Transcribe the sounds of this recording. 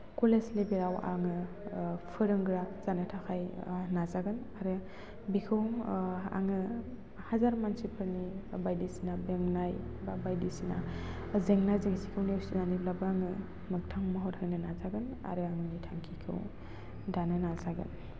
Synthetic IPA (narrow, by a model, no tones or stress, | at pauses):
koleslebeɾawʔa̰ŋɯ | pʰɯɾɯŋɡɾaz̥anɯtʰaxʰajnazaɡɯnaɾɯ | bikʰɯwa̰ŋɯ | hazaɾmansipʰɯɾnibajdisinabeŋnajbabajdisina | zeŋnajzeŋsi̥kʰɯwniwsinaniblabɯaŋɯ | mɯk̚tʰaŋmaɦɔthɯknɯnazaɡɯna̰ɾɯaŋɯnitʰaŋkʰikʰɯ̰w | danɯnazaɡɯ̰n